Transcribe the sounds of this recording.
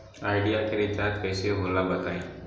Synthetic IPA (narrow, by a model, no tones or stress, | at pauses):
aːɪɖijakeɾɪt̪aːt̪kɛːseɦoːlabɐt̪aːẽ